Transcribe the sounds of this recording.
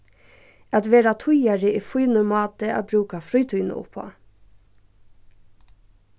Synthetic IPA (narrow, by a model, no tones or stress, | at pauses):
ɑt̪ʋeːɾɑt̪ʰʊjɑɾəʔiːfuʏnʊmɑːt̪əæ̰ːbɾʉːkɑfɾœʏt̪ʰʉʏnə̰ʔʊ̰pʰːo̰ː